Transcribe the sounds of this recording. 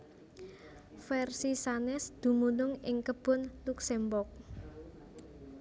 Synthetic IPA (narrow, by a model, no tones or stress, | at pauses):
fɛrsisanɛsd̪̥ṳmunʊŋɪŋkəb̥ʊ̤nluksɛmbʊrk̚